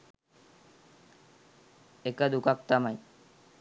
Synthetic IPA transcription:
ekad̪ukak̚t̪amaj

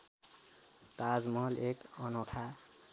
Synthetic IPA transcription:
t̪ad͡zmʌlekʌnoʈʰa

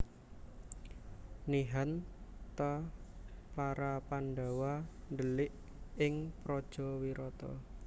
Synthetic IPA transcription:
niɦant̪ə | paɾapanɖawand̪əlɪʔ | ɪŋpɾɔd̥ʒ̥ɔ̤wiɾɔt̪ɔ̰

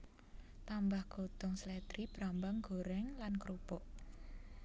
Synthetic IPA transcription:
t̪ambahɡ̥od̪̥ɔŋslɛd̪ɾib̥ɾambaŋɡ̥oɾɛŋlankɾupɔʔ

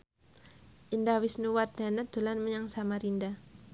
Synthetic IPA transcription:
ʔindawisnuward̥a̤nad̪̥ulanməɲaŋsamaɾinda

